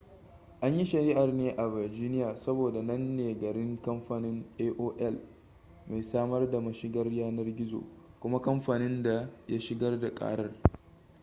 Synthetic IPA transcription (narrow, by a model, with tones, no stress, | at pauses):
ʔa˦ɲji˦ʃɐ˨ɾi˦ʔa˨rneː˦ʔa˨vɐ˨rd͡ʒiː˦nɪ˦jaː˨sɐ˦boː˨da˨nɐ˦nːeː˨ɡɐ˨ɾɪ˦ŋkɐ˦mɸaː˨nɪ˦ŋʔeː˦ʔoː˦ʔɛ˦˨l | ma˨jsaː˦mɐ˦rda˨mɐ˦ʃɪ˦ɡɐ˦rjaː˦nɐ˦rɡʲɪ˦zo̰ː˨kʷʊ˦ma˦kɐ˦mɸaː˨nɪ˦nda˨ja˦ʃɪ˦ɡɐ˦rda˨kʼa̰ː˦ɽɐ˦r